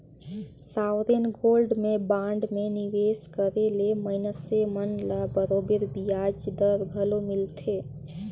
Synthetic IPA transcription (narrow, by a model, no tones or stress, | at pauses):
sawɾenɡolɖmebãɳɖmeniʋeskəɾeleməinəsemənlabəɾobeɾbijad͡ʒd̪əɾɡʱəlomilt̪ʰe